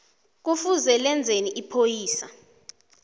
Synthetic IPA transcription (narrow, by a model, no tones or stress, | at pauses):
k̬ufuzɛlɛnd͡zʱeniʔipʰojiːsa̰